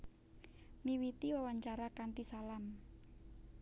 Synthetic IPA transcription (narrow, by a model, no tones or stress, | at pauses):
miwit̪iwawaɲt͡ʃaɾakant̪isalam